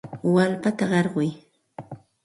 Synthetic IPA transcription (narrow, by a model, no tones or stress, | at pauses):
walpat̪aɢɑɾɢʊj